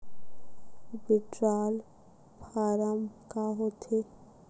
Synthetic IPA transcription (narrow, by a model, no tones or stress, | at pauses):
bɪʈɾaːl | pʰaːɾəmkaɦot̪e